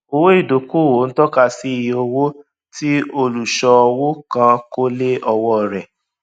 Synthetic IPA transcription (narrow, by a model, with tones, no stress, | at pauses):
o˧wo˦i˦˨do˨ku˦˨wo˨˦ñ̩˦tɔ˦ka˧si˦i˨jo˧wo˦ | ti˦o˧lu˨ʃɔ˧wo˦kã˧ko˦le˦ɔ˧wɔ˧˨ɾɛ˨